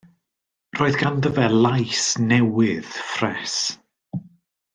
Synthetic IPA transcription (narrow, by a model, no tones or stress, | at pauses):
roːɨðɡandəvɛlˠajsnɛwɪð̥frɛs